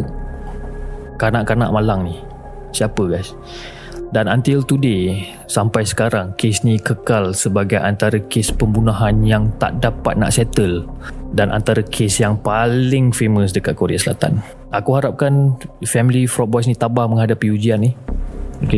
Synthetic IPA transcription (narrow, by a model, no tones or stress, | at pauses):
kanaʔkana̰ʔmalaŋni | siapəɡajs | danant̪ɪlt̪ude | sampajsə̥kaɾaŋkesnikəkalsəbaɡajʔant̪aɾəkespəmbunaɦanjaŋt̪a̰ʔdapa̰t̪̚na̰ʔsɛt̪əldanʔa̰nt̪aɾakʰesjaŋpalɪŋfeməs̬dəkat̪̚koɾḛa̰səla̰t̪a̰n | ʔakuɦaɾap̚kanfɛmilifɾɔt̚bɔs̬nit̪abahməŋɦadapiud͡ʒianːioke